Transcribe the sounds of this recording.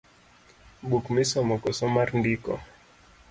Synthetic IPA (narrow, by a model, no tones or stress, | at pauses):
ɓukmisɔmɔkɔsɔmaɾndikɔ̰